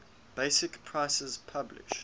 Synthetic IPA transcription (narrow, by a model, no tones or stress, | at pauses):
b̥eɪsɪkpʰɹ̥aɪsəzpʰablɪ̰ʃ